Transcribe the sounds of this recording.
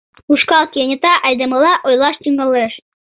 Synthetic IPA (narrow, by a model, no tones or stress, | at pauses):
uʃkɑlˠkʲenʲit̪ɑʔæjd̪ɤ̆mɤ̆lˠɑʔɔjlˠɑʃt̪ʲiŋɡɑ̆lˠɤʃ